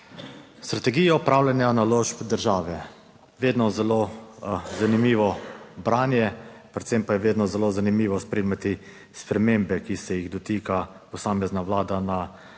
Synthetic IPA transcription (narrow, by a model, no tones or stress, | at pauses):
st̪ɾat̪ɛɡiːjaupɾaːwlʲanjanaloʒpd̪əɾʒaːʋɛ | ʋeːd̪nɔzɛlo | zanimiːʋɔbɾaːnjɛpɾɛt̪sɛmpajɛʋeːd̪nɔzɛloːzanimiːʋɔspɾemat̪i | spɾɛmeːmbɛkisɛjiɣd̪ɔt̪iːka | pɔsaːmɛznaʋlaːd̪ana